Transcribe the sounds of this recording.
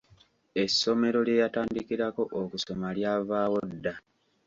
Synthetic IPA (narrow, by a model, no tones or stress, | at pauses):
e̞sːo̞me̞ɾo̞lje̞ːjataːndikiɾako̞ʔokuso̞maljaːvaːwo̞dːa